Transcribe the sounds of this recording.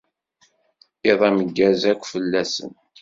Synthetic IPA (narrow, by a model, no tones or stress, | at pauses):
eðˤæməɡːæzækʷːfəlːæsə̰n